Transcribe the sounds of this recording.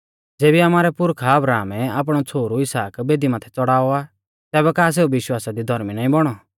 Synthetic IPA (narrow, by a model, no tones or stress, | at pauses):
d͡zeːbiamaːɾɛpʊɾkʰaɐbɾaːmɛaːp̬ɽ̃ɔt͡sʰoːɾuɪsaːkbeːd̪imaːt̪ʰɛt͡sɔɽaːɔa | t̪ɛːbɛkaːs̬eːuʋɪʃwaːsad̪id̪ʱɔɾminaːĩbɔɽ̃ɔ